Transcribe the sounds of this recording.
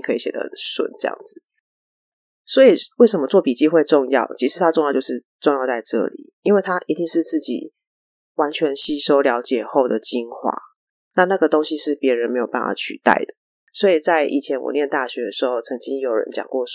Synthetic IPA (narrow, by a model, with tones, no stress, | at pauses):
ŋkʰɤ˧˥i˨˩ɕjɛ˨˩d̪ə̰˦˧˦nswə̰˨˩˦nʈ͡ʂɤ˥˧jɑ̰˥˩ŋd͡z̩˨˩ | swɔ˧˥i˨˩we˥˩ɪʂə˧˥mə˧˦t͡swɔ˥˩pi˨˩t͡ɕi˥˧xwe˥˧ɪʈ͡ʂʊ˥˧ŋjɑ̰˥˩ʊt͡ɕʰi˧˥ʂɻ̩˧˩t̪ʰa˦˥ʈ͡ʂŋjʊt͡ɕo˥˧ʊʂɻ̩˥˧ | ʈ͡ʂŋjɑ˥˧ʊt͡sa˥˧ɪʈ͡ʂɤ̰˥˩lḭ˨˩i˥nwe˥˩ɪt̪ʰa˥ʔi˧˥t̪i˥˧ŋʂɻ̩˥˧t͡s̩˥˩t͡ɕḭ˨˩ | wa˧˦nt͡ɕʰɥɛ˧˦nɕi˥˩ʂo˥ʊljɑ˧˥ʊt͡ɕjɛ˨˩xo˥˩ʊd̪ə˩t͡ɕi˥ŋxwa̰˥˩ | na˥˧na˥˩ɡə˩t̪o˥ŋɕi˦ʂɻ̩˥˩pjɛ˧˥ɻə˧˦nme˧˥ɪjo˨˩pa̰˥˩wɑ̰˥˩t͡ɕʰy̰˨˩t̪a̰˥˩ɪd̪ə˩ | swɔ˧˥i˨˩t͡sa˥˧ɪʔḭ˨˩t͡ɕʰjɛ˧˦nwɔ̰˨˩njɛ˥˧nt̪a˥˩ɕɥɛ˧˥d̪ə˨ʂɻ̩˧˥xo˥˩ʊt͡sʰə˧˥ŋt͡ɕi˦ŋjo˨˩ʊɻə̰˧˦nt͡ɕjɑ̰˨˩ŋkwɔ˥˩